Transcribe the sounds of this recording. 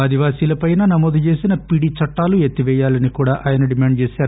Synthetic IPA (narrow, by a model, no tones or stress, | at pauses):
aːd̪iʋaːsiːlɐpɐjnɐnɐmoːd̪ut͡ʃe̞ːsinɐpiɽit͡ʃɐʈːaːluet̪ːiʋɛːjaːlɐnikuːɽaːʔaːjɐnɐɖimaːɳɖ̚t͡ʃeːsaːɾu